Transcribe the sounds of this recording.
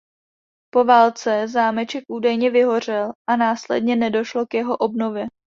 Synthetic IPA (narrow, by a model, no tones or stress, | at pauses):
po̞vaːlt͡sɛzaːmɛt͡ʃɛkʔuːdajɲɛvɪɦo̞r̝ɛlʔanaːslɛ̰dɲɛnɛdo̞ʃlo̞kjɛɦo̞ʔobno̞vjɛ